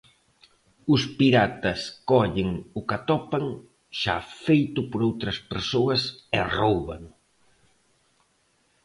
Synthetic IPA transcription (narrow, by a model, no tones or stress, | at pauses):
ʊspiɾat̪ɐskɔʎɪŋʊkat̪ɔpɐŋ | ʃafejt̪ʊpoɾowt̪ɾɐspeɾsoɐsɪrowβa̰ŋ